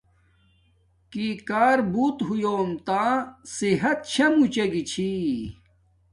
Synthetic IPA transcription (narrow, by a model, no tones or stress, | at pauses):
kikaːɾbuːt̪ɦujoːmt̪aːsiɦɐt̪̚t͡ɕʰɐmut͡ɕɐɡit͡ɕʰi